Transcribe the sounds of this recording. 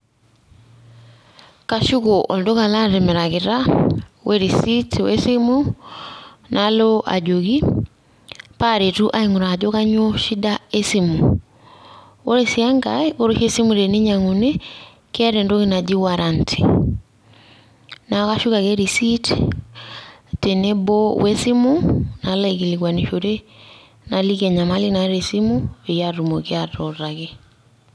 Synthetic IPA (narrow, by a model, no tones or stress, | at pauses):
kaʃukɔʔɔldokalaɾɛmɛɾakiɾaweɾisitwɛ̰simu | nʔaloʔa̰d͡ʒoɣi | paɾetuʔaiŋuɾad͡ʒɔkaɲoʃidaesimu | oɾɛsiaŋɡaioɾoʃesimuɾeniɲaŋune | keaɾɛndoɣinad͡ʒiwaɾantʰi̥ | nakaʃukakɛɾisit | tenɛbɔwɛsimunalaikilikwaniʃoɾe | nalikɛɲamalinaɾesimuβejaɾumɔkeatɔɾakɛ